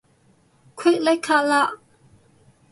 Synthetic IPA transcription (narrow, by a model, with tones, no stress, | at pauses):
kʰɛ˥˨ʔlɛ˦jkʰa˥˨la˥˨ʔ